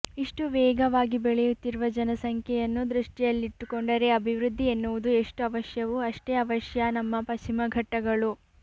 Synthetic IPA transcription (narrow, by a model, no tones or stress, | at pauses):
iʂʈuʋɛːɡɐʋaːɡibɛɭɛjut̪ːiɾuʋɐd͡ʒɐnɐsɐŋkʰjɛjɐnːud̪ɾuʂʈijɐlːiʈːukoɳɖɐɾe̞ɐbʱiʋɾud̪ʱːienːuʋud̪ue̞ʂʈuɐʋɐʃjɐʋuɐʂʈe̞ɐʋɐʃjɐnɐmːɐpɐt͡ʃimɐɡʱɐʈːɐɡɐɭu